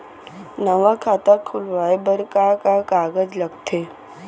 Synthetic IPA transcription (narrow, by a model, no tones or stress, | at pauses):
nəʋakʰaːt̪akʰʊlʋaːebəɾkakakaːɡəd͡ʒlɐɡt̪ʰeː